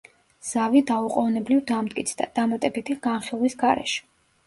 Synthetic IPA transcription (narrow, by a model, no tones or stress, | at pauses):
z̥avid̪auqʼɔnɛblivd̪amd̪kʼit̪sʰd̪a̰d̪̥amat̪ʼɛbit̪ʰiɡ̥anχilˠwisɡaɾɛ̰ʃɛ̥